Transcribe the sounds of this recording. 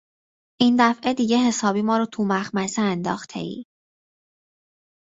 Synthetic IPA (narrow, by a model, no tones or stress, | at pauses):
ʔiːnd̪æfʔed̪iːɟe̞ɦe̞sɒːbiːmɒːɾot̪ʰumæxmæseænd̪ɒ̰ːxt̪ʰe̞̰ḭː